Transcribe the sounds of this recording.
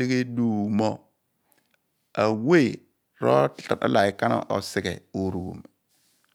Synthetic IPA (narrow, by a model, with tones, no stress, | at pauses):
e˦ɡe˦du˦˨mɔ˦ | a˨we˦˨ | ɾɔ̰˦tɬa˨a̰˦la˨i˨ka˦na̰˨ʔɔ̰˨sɪ˨ɡɛ˨o˨ɾu˨ɡṵ˨m